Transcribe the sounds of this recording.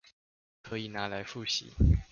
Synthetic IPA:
kʰɤ˧˥i˨˩na˧˥˦la˧˥ɪfu˥˩ɕḭ˨˦

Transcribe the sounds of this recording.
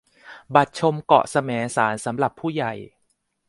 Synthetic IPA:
ba˨˩t̪̚t͡ɕʰo˧mkɔ̰˨˩sa˧mɛː˩˦ŋsaː˩˦nsa˩˦mɾa˨˩pʰːuː˥˩ja˨˩j

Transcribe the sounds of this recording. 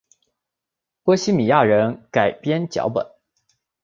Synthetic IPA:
pɤ˥ɕi˥mi˨˩ja˥˩ɻə˧˥nka˨˩ɪpjɛ˥nt͡ɕjɑ̰˧˥ʊpə̰˨˩˦n

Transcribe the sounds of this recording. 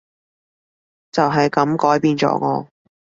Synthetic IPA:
t͡sɐ˨wɦɐ˨jkɐ˨˥mkɔː˨˥jpiː˧nt͡sɔ̰ː˨˥kɔː˧

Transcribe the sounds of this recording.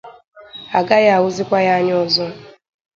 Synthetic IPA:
a˨ɡa˦ja˦a˨wʊ˦zi˦kʷa˦ja˦ɲ˦ɔ˦zɔ˦

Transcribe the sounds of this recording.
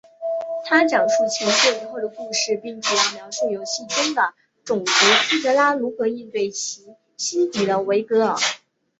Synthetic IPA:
t̪ʰa˥ʈ͡ʂɑ˨˩ŋʂu˥˩t͡ɕʰɛ˧˥nsɔ˥˧t͡ɕi˧˥xwo˥˩d̪ə˩ku˥˧ʂɻ̩˥˧pi˥˩ŋt͡ɕʰɛ˥˩i˥˩jɑ˥˧ʊʂo˥˩jo˧˩ʊɕi˥˩ʈ͡ʂʊ˥ŋd̪ə˨ | ʈ͡ʂʊ˨˩ŋkɤ˧˥si˥t̪ɤ˧˥la˥lu˧˥kɤ˧˥˦i˥˧nt̪we˥˩ɪt͡ɕʰi˧˥ | ɕi˥t̪i˨˩d̪ə˦we˧˥ɪkɤ˧˥ə̰˨˩˦

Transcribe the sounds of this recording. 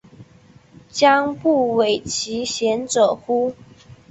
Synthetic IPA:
t͡ɕja˦ŋpu˥˩we˨˩ɪt͡ɕʰi˨˦ɕjɛ˨˦nt͡sɤ˨˩xu˦

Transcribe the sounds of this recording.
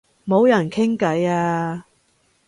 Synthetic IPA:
mo˨˧wjɐ˨˩nkʰɪ˥ŋkɐ˨˥jaː˧

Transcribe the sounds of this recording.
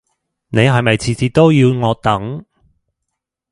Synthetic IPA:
ne˨˧jɦɐ˨jmɐ˨jt͡sʰiː˨t͡siː˨˧t̪o˥wjiː˧wŋɔː˨˧t̪ɐ˨˥ŋ

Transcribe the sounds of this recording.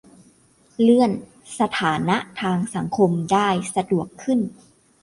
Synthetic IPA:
lɯ˥˩ən | sa˧t̪ʰaː˩˦na˦˥ʔt̪ʰaː˧ŋsa˩˦ŋkʰo˧mdaː˥˩jsa˧du˨˩əkʰːɯ˥˩n

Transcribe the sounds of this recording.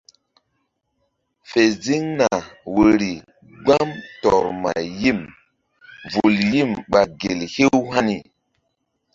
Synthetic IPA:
fe˨zi˦ŋna˨wo˨ɾi˨ | ɡ͡ba˦mtɔ˨ɾma̰˨ji˦m | vu˨lji˦mɓa˨ɡe˨lhe˦wha˦ni˨

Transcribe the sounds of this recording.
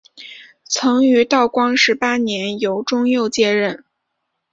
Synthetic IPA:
t͡sʰɤ˧˥ŋy˧˥t̪ɑ˥˩ʊkwɑ˥ŋʂɻ̩˧˥pa˥njɛ˧˥njo˧˥ʊʈ͡ʂʊ˥ŋjo˥˧ʊt͡ɕjɛ˥˧ɻə˥˩n

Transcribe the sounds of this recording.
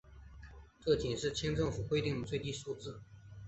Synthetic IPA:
ʈ͡ʂɤ˥˩t͡ɕɛ˨˩nʂɻ̩˥˩t͡ɕʰjɛ˥nʈ͡ʂɤ˥˩ŋfu˨˩xwe˥˧ɪt̪i˥˩ŋd̪ə˩t͡swe˥˧ɪt̪i˥˧ʂu˥˧t͡sɹ̩˥˩

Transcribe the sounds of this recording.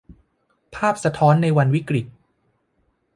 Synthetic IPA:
pʰaː˥˩p̚sa˧t̪ʰɔː˦˥nːa˧jwa˧nwi˦˥kɾi˨˩t̪̚

